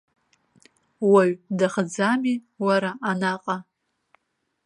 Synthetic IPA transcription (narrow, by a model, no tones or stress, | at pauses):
waɥdaχd͡zami | waɾaʔanaqʼa